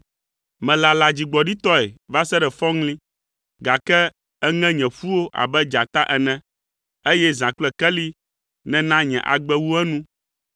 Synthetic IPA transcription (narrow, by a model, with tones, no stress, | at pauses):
mɛ̃˨la˨la˨d͡ʑi˨ɡ͡bɔ˨ɖi˦t̪ɔ˦ɛ˨va˦sɛ˦ɖɛ˨fɔ̃˦ŋlĩ˦ | ɡa˨kɛ˦ | ɛ˦ŋɛ̃˦ɲɛ̃˨ɸu˦wo˦ʔa̰˨bɛ˦d͡ʒa˨t̪a˦ʔɛ˨nɛ̃˦ | e˦jɛ˦zã˨k͡plɛ˦˨kɛ˦li˦ | nɛ̃˨nã˦ɲɛ̰̃˨ʔa̰˨ɡ͡bɛ˦wu˦ɛ˦nũ˦